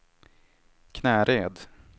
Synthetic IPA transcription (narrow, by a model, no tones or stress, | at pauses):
kʰnɛːɾeːd̪